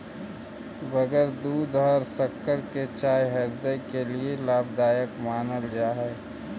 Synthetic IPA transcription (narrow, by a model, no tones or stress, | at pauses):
bəɡəɾd̪uːd̪ɦɔɾsəkːəɾket͡ʃaːjɦɐɾd̪əkelielaːbd̪aːjəkmaːnəld͡ʒaːɦɛː